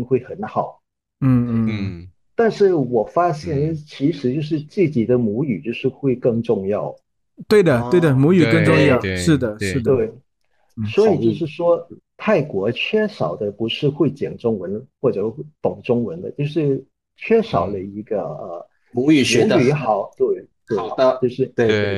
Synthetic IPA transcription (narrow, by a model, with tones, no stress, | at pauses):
ŋxwe˥˩ɪxə˧˥nxɑ˨˩˦ʊ | n̩˥˩˥ | t̪a˥˧nʂɻ̩˥˩wɔ˨˩fa˥ɕjɛ˥˧nt͡ɕʰi˧˥ʂɻ̩˧˥t͡ɕjo˥˧ʊʂ̬ɻ̩˥˧t͡sɹ̩˥˩t͡ɕi˨˩d̪ə˦mu˧˥y˨˩t͡ɕjo˥˧ʊʂɻ̩˥˧xwe˥˧ɪkɤ˥˧ŋʈ͡ʂʊ˥˧ŋjɑ˥˩ʊ | t̪we˥˩ɪd̪ə˩t̪we˥˩ɪd̪ə˩mu˧˥y˨˩kə˥˧ŋʈ͡ʂʊ˥˧ŋjɑ˥˩ʊʂɻ̩˥˩d̪ə˩ʂɻ̩˥˩d̪we˥˩ɪ | swɔ˧˥i˨˩t͡ɕjo˥˧ʊʂ̬ɻ̩˥˩ʂwɔ˥ | t̪ʰa˥˩ɪkwɔ˧˥t͡ɕʰɥɛ˥ʂɑ˨˩ʊd̪ə˦pu˧˥ʂɻ̩˥˧xwe˥˩ɪt͡ɕjɛ̰˨˩ŋʈ͡ʂʊ˥ŋwə˧˥nxwɔ˥˩ʈ͡ʂɤ˨˩xɪt̪ʊ˨˩ŋʈ͡ʂʊ˥ŋwə˧˥nd̪ə̰˧t͡ɕjo˥˧ʊʂɻ̩˥˧ | t͡ɕʰɥɛ˥ʂɑ˨˩ʊlə˧i˧˥ɡə̰˧ə˧˩ | u˧˥y˨˩˧y˧˥xɑ˨˩˦ʊt̪we˥˩ɪt̪we˥˩˨ɪ˧t͡ɕjo˥˧ʊʂɻ̩˥˧e˥˩e˥˩